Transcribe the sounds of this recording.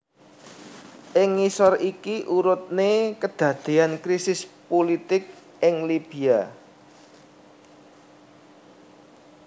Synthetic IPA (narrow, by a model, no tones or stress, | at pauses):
ʔɪŋːisɔrikiʔuɾʊt̪̚nekəd̪̥ä̤d̪̥e̤ankɾisɪspolit̪ɪk̚ | ɪŋlib̥i̤a